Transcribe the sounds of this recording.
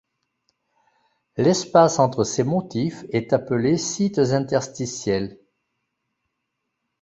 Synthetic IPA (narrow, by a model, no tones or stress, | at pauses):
lɛspasɑ̃t̪χəsemɔt̪ifɛt̪apəlesit̪zɛ̃t̪ɛʁst̪isjɛl